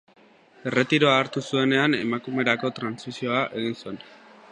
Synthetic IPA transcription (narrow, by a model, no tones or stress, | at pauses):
e̞re̞t̪iɾo̞aːɾt̪usue̞ne̞ane̞makume̞ɾako̞t̪ɾansisio̞aʔe̞ɣ̞insue̞n